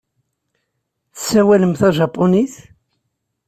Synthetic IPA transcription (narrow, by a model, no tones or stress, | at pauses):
θəsːæwæləmθæʒɑpːoniθ